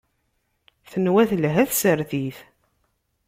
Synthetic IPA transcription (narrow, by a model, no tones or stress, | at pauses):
θənwæθlɦæθsəɾθiθ